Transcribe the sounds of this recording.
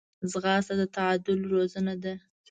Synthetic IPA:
zɣɑsad̪ət̪aɑd̪ʊlɾozanad̪a

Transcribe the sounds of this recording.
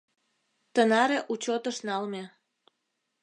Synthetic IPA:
t̪ənɑɾeʔut͡ɕot̪əʃnɑlme

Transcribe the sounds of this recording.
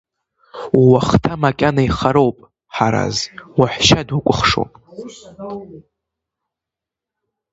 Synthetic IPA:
uwaχtʰamakʲʼanaiχaɾowpʼ | ħaɾa̰zwaħʷʃadwakʷʼʊχʂo̰pʼ

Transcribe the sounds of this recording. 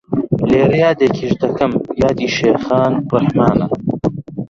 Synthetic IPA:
leːrjaːd̪eːkʰiʃd̪ɐkɐmjaːd̪iːʃeːxaːnbɨɾhmaːnɐ

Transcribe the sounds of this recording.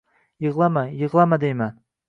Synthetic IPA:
jɨʁlˠamajɨʁlˠamad̪ejman

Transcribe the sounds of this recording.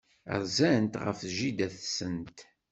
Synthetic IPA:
ʁzænt̪ʁə̰fʒid̪æθsənt̪

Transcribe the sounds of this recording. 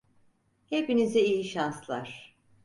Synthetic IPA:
he̞pinizɛijiʃanslˠaɾ̥

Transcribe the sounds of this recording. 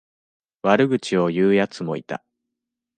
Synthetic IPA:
βaɾɯ̟ɡɯ̟t͡ɕio̞jɯːjat͡sɨmo̞̰it̪a̰

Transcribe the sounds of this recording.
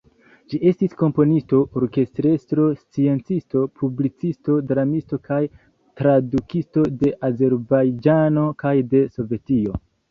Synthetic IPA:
d͡ʒiʔe̞stisko̞mpo̞nisto̞ʔoɾke̞stɾe̞stɾo̞st͡sie̞nt͡sisto̞pʰublit͡sisto̞dɾamisto̞kʰaj | tɾadukisto̞de̞ʔaze̞ɾbajd͡ʒano̞kajde̞so̞ve̞tio̞

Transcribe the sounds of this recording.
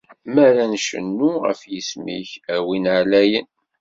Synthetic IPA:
mæɾænʃə̰nːuʁə̰fjəsmḭçæwinʕlæjən

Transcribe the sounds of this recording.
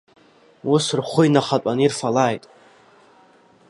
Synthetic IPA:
ʊsrχʷʊjnaχat͡pʼanirfalajtʼ

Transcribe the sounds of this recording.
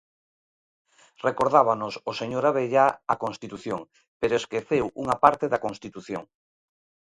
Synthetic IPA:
rekoɾðaβanososeɲoɾaβ̞eʎaakonst̪it̪uθjoŋ | peɾoeskeθewuŋapaɾt̪eðakonst̪it̪uθjo̰ŋ

